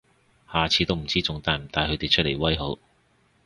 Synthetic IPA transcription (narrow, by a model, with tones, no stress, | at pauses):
haː˨t͡sʰiː˨˧t̪wm̩˨˩t͡siː˥t͡sʊ˨˧˥ŋt̪aː˧˩jm̩˨˩t̪aː˨˧jhɵ˨˧ɥt̪e˨jt͡ʃʰɵ˥t̚lḛ˨˩jwɐ˥jɦo˨˥w